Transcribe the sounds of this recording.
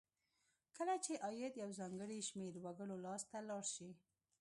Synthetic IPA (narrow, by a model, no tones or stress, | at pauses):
kəlat͡ʃeʔɑjɪd̪jawzɑŋɡəɽiʃmeɾwaɡəɽolɑst̪alɑɽʃi